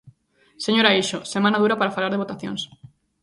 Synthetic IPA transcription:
seɲoɾaiʃosemãnaðuɾapaɾafalaɾðeβot̪aθjo̰ŋs

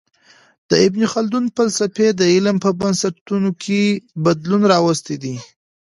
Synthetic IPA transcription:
d̪̥əɪbnixald̪unfalsafed̪əɪlmpəbansat̪unokʰebad̪lunɾɑwəst̪ed̪i

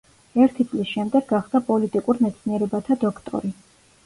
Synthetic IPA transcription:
ɛɾt̪ʰit̪sʼlisʃɛmd̪ɛɡɡaχd̪apʼɔlit̪ʼikʼuɾmɛt̪sʰniɛɾɛbat̪ʰad̪ɔkʰt̪ʼɔ̰ɾi

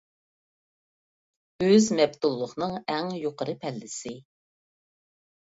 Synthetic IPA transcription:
øzmɛb̚t̪ulˠːʊχnɨŋɛŋjoqəɾɨpʰɛlːɪsɪ

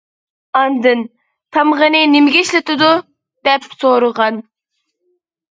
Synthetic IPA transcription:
ɑnd̪ɨn | t̪ʰɑmʁənɨnɪmɪɡʲeʃlɪt̪ɪd̪u | d̪̥ɛpsoɾʊʁɑn

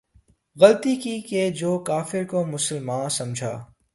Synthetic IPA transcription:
ɣɐlt̪ikiked͡ʒoːkaːfɪɾkomʊsəlmaːnsɐ̃md͡ʒʱa̰ː

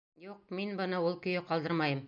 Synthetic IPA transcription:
juq̚minbɤ̆nɤulˠkɵ̆jɘqɒlˠd̪ɤɾmɑjɤm

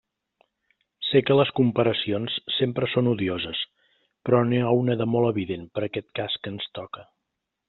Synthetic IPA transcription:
sekələskumpəɾəsionsːempɾəsonuðiozəs | pɾɔniawnəðəmolˠəβiðenpəɾəkɛt̪kaskənst̪ɔkə

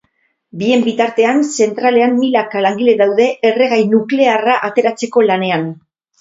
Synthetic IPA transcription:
bie̞mbit̪aɾt̪e̞anse̞nt̪ɾale̞ammilakalaŋɡile̞ðawðe̞ʔːre̞ɣ̞ajnukle̞araʔat̪e̞ɾat͡se̞ko̞lane̞an

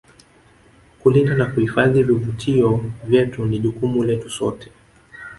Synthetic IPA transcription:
kulindanakuhifaðivivutʰiɔvjɛtuniʄukumulɛtusɔ̰tʰɛ̥

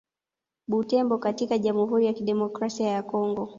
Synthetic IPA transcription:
ɓutɛmbɔkatikaʄamuɦuɾijakiɗɛmɔkɾasiajakɔŋɡɔ

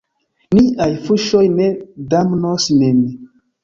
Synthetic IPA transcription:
niʔajfuʃojnedamnosnene

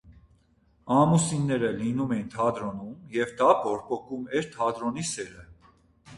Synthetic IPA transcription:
ɑmusinːɛɾəlinumɛint̪ʰɑd̪ɾɔnumjɛvd̪ɑpɔɾpɔkumɛɾt̪ʰɑd̪ɾɔnisɛɾə

